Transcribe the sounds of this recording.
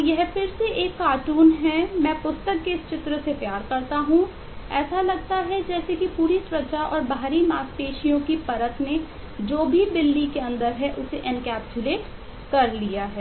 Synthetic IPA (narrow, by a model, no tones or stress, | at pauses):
jɛɦfɪɾseʔeːkːaːʈuːnɦɛmɛ̃ːpʊst̪əkːest͡ʃɪt̪ɾəsepjaːɾkɐɾt̪aɦũ | ɛːsalɐɡ̚t̪aɦɛd͡ʒɛːsekipuːɾisʊɾət͡ʃaʔɔːɾbaːɾimaːspeːʃijõkipɐɾət̪mẽ | d͡ʒoːbʱib̪ɪlːikeɐ̃nd̪əɾɦɛʔʊseʔɪ̃nkɛːpsʊleːʈ | kɐɾlijaɦɛː